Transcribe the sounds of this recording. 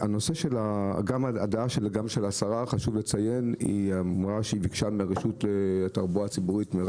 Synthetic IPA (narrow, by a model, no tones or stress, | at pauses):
ano̞se̞ʃelaɡamaadaaʃelɡamʃelasaʁaχaʃuvlet͡saje̞nḭaʁaʃeivikʃameʁeʃut̪let̪aʁbuat͡sibuʁit̪meʁ